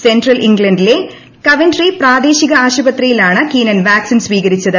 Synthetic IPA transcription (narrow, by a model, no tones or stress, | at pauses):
sendrɐliŋɡlɐnɖile | kɐʋɐndripraːd̪e̞ːɕiɣɐaːɕɐbɐt̪rijilaːɳɨkiːnɐnʋaːksinsʋiːɣɐɾit͡ɕːɐðɨ